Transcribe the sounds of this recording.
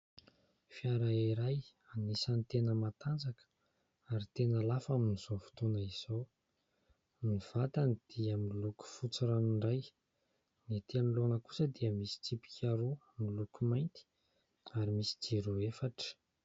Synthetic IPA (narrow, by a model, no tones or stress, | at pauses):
fiaɾaiɾaj | anesanit̪enəmat̪and͡zakə̥ | aɾit̪enəlafaminiz̥ovu̥t̪onəiz̥ow | miv̥at̪anid̪̥iəmiluku̥fut͡siɾaniɳɖ͡ʐaj | net̪ianilonəku̥səd̪iəmisi̥t͡sipi̥kʲʰaɾu | milukumajnt̪i̥ | aɾimisi̥d͡ʒiɾuefaʈ͡ʂə̥